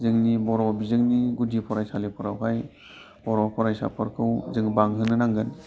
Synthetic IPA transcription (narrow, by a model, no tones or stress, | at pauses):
zɯŋnibɔɾɔbizɯŋniɡudipʰɔɾajsalepʰɔɾawkʰaj | b̥ɔɾɔpʰɔɾajsa̰pʰɯɾkʰɯwzɯŋbaŋɦɯnɯnaŋɡɯn